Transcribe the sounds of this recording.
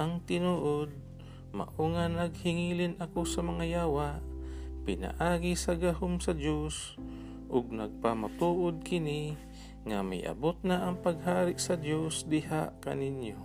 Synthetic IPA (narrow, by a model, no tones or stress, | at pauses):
ʔɐŋt̪ɪnuːʔod̪̚ | ma̰ʔuŋanɐɡ̚hɪŋiːlɪnʔɐkosɐmɐŋajaːwaʔpɪna̰ʔaːɡisɐɡaɦomsɐd̪jos | ʔʊɡ̚naɡ̚pamat̪uːʔod̪̚kɪni | ŋamɪ̰jʔa̰bot̪̚naʔɐŋpɐɡɦaːɾɪʔsɐd̪josd̪ɪhaʔka̰nɪnjo